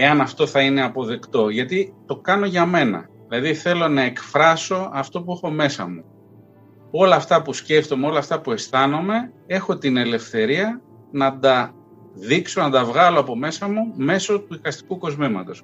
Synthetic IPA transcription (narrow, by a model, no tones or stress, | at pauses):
e̞ɐnɐft̪o̞θɐine̞ɐpo̞ðe̞kt̪o̞ʝɐt̪it̪o̞kɐno̞ʝɐme̞nɐ̰ðilɐðiθe̞lo̞nɐe̞kfɾɐso̞ɐft̪o̞puexo̞me̞sɐ̰mu | o̞lɐːft̪ɐpusce̞ft̪o̞me̞o̞lɐːft̪ɐpue̞st̪ɐnome̞e̞xo̞t̪ine̞le̞fθe̞ɾiɐ | nɐd̪ɐ | ðikso̞nɐd̪ɐvɣɐloɐpo̞me̞sɐmume̞so̞t̪uðikɐst̪i̥kuko̞zmimɐ̰t̪o̞s